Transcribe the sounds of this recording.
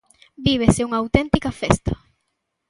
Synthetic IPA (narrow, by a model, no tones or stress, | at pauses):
biβ̞eseuŋɐawt̪ent̪ikɐfest̪ɐ